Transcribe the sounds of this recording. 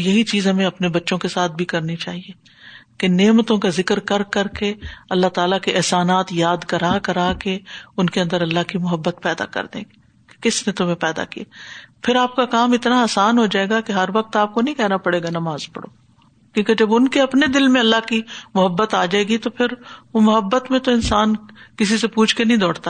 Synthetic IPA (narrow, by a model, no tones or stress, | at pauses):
jɐɦit͡ʃiːzɦɐmẽɐpnebɐtːʃõkesaːt̪̚ʰbʱikɐɾnit͡ʃaːɦie | keneːmt̪õkazɪkəɾkɐɾkɐɾkeɐlːat̪aːlakiʔɛɦsaːnaːt̪jaːd̪kɐɾaːkɐɾaːkeʊnkeɐnd̪əɾɐlːaɦkimʊɦəbːət̪̚pɛːd̪a̰kɐ̰ɾd̪ḛ̃ː | kɪsnẽt̪ʊm̤ẽpɛːd̪a̰kḭaːpʰɪɾaːp̚kakaːmɪt̪naaːsaːnɦod͡ʒaːeːɡakeɦɐɾʋɐq̚t̪aːp̚konɐɦĩkɛɦnapɐɽeːɡanɐmaːzpɐ̰ɽo̰ː | kjõːked͡ʒɐbʊnkeɐpned̪ɪlmẽɐlːaɦkimʊɦəbːət̪aːd͡ʒaːeːɡit̪opʰɪɾʋomʊɦəbːət̪mẽt̪oɪnsaːnkɪsisepuːt͡ʃʰkenɐɦĩd̪ɔːɽt̪aː